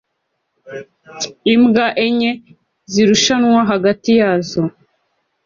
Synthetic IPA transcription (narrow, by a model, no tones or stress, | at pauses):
imɡaʔeɲe | ziɾuʃanwaɦaɡatijaːzo